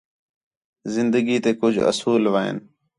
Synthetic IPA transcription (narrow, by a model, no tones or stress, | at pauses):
zɪnd̪əɡiːt̪eːkʊd͡ʒʱə̰suːlʋaːḛːn